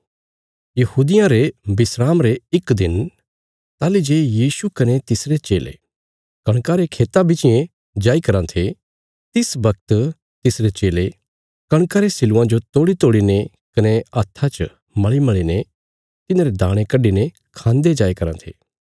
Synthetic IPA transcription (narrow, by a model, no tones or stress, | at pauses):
jɐhuːd̪ɪjãɾebɪsɾaːmɾeɪkd̪ɪn | t̪aːlid͡ʒeːjiːsukɐnet̪ɪsɾet͡ʃeːlḛ | kɐɽ̃kaɾekʰeːt̪abɪt͡ʃɪjẽ | d͡ʒaːikɐɾãt̪ʰe | t̪ɪsbɐkt̪ | t̪ɪsɾet͡ʃeːle | kɐ̃ɽ̃kaɾesɪlʊãd͡ʒot̪oːɽit̪oːɽine | kɐneɐt̪ʰːat͡ʃ | mɐɭimɐɭine | t̪ɪnãːɾed̪aːɽ̃ẽkɐɖine | kʰãːnd̪ed͡ʒaːikɐɾã̰t̪ʰḛː